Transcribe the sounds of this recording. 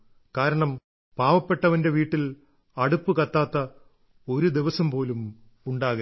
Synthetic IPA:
kaːɾɐɳɐm | paːʋɐpːe̞ʈːɐʋɐnde̞ʋiːʈːil | ɐɽupːɨkɐt̪ːaːt̪ːɐ | o̞ɾud̪iʋɐsɐmpo̞ːlum | uɳɖaːɣɐ

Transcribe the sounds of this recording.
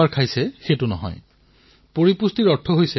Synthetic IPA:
aɹkʰajsɛxetʊnɔ̰ɦɔ̰j | poɹipustiɹɔtʰːɔɦojsɛ

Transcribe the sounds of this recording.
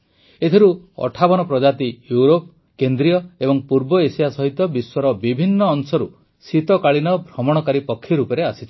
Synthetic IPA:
et̪ʰiɾuɔ̰ʈʰabɔnɔpɾɔd͡ʒat̪ijuɾop | kend̪ɾijɔebɔŋpuɾbɔesijasɔɦit̪ɔbiswɔɾɔbibʱinːɔːŋsɔɾu | sit̪ɔkaɭinɔbʱɾɔmɔɽ̃ɔkaɾipɔkʰːiɾupɔɾeasi̥t͡ʃʰi

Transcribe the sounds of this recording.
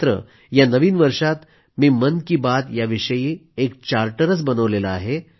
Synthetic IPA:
t̪ɾə̰ | janəʋiːnʋəɾʂat̪ | miːmənkiːbat̪jaʋiʂəjiːekt͡ɕaɾʈəɾət͡sbənəʋlelaaɦe

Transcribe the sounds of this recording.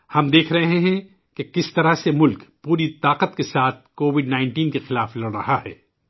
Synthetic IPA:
hɐmd̪eːkʰɾɐɦɦẽɦɛ̃ | kekɪst̪ɐɾasemʊlkpuːɾit̪aːqət̪kesaːt̪̚ʰkoːʋɪɖnaːɪ̃ɳʈiːnkexɪlaːflɐɽɾɐɦaɦɛ̰ː

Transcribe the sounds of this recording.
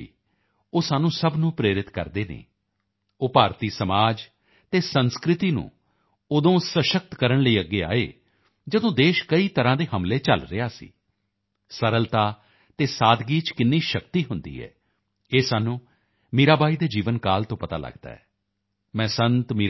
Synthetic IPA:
iː | oːsaːnũːsəbnũːpɾeːɾɪt̪kə̰ɾd̪eːnḛː | oːpaːɾt̪iːsəmaːd͡ʒ | t̪eːsənskɾɪt̪iːnṵ̃ː | ʊd̪õːsəʃək̚t̪kəɾəɳləiːəɡːeːa̰ːḛː | d͡ʒəd̪õːd̪eːʃkəiːt̪əɾãːd̪eːɦəmleːt͡ʃə̰lɾɪ̰aːsḭː | səɾəlt̪aː | t̪eːsaːd̪ɡiːt͡ʃkɪnːiːʃəkt̪iːɦʊnd̪ḭːɦɛ̰ː | eːsaːnũː | miːɾaːbaːiːd̪eːd͡ʒiːʋənkaːlt̪õːpət̪a̰ːlə̰ɡd̪a̰ːɛː | mɛ̃ːsənt̪mi

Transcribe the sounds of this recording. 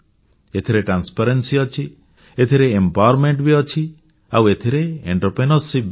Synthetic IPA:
et̪ʰiɾeʈɾanspaɾensiɔt͡ʃʰi | et̪ʰiɾeːmpaɔɾmeɳʈbiɔt͡ʃʰi | a̰wet̪ʰiɾeeɳʈɔɾpɾenɔsib

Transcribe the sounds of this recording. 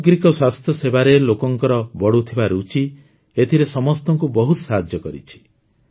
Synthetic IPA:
ɡɾikɔswast̪ʰjɔsebaɾelokɔŋkɔɾɔbɔɽut̪ʰibaɾut͡ʃi | et̪ʰiɾesɔmɔst̪ɔŋkubɔɦut̪saɦad͡ʒjɔkɔɾḭt͡ʃʰi̥

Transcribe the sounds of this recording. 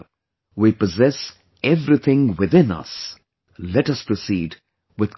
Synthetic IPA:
wipəzɛs | ɛvɾit̪ʰɪ̃ŋwɪðɪ̃nʌ̰s | lɛʈʌspɹosiːd | wɪð

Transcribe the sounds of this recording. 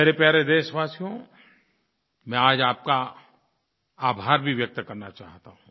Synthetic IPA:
meːɾepjaːɾed̪eːʃʋaːsijõ | mɛ̃aːd͡ʒaːp̚ka | aːbʱaːɾbʱiʋjɐk̚t̪kɐɾnat͡ʃa̰ːɦt̪aɦũ

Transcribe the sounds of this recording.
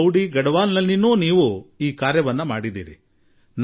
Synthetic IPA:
wɽiɡɐɽɐʋaːnnɐlːinuːniːʋuiːkaːɾjɐʋɐnːɐmaːɽid̪ḭːɾḭ | n

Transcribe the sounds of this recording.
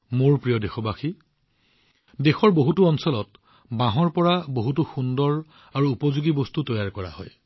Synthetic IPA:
moɹpɹijɔdexɔbaxi | dexɔɹboɦutuɔnsɔlɔt̚ | bãɦɔɹpɔɹaboɦutuxundɔɹ | aɹuːpɔzuɡibɔstutɔjaɹkɔɹa̰hɔ̰j

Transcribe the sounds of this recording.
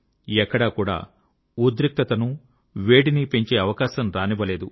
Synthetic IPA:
ɛkːɐɽɐkuːɽa̰ː | ud̪ɾik̚t̪ɐt̪ɐnu | ʋeːɽinipeɲt͡ʃe̞ːɐʋɐkaːʃɐmɾaːniʋɐle̞ːd̪u

